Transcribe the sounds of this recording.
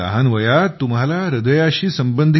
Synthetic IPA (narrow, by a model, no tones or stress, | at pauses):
ə̰ɦanʋəjat̪umɦalaɾəd̪əjaɕiːsəmbənd̪ʱ